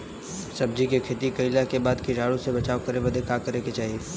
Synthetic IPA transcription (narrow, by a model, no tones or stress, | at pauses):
sɐb̚d͡ʒikekʰeːt̪ikɐilakebaːd̪kiɾaːɽõsebɐt͡ʃaːokɐɾebɐd̪ʱekakɐɾeket͡ʃaːɦie